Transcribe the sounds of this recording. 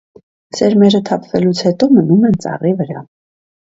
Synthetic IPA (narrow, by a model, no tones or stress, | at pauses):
sɛɾmɛɾət̪ʰɑpʰvɛlut͡sʰhɛt̪ɔmənumɛnt͡sɑ̰rivəɾɑ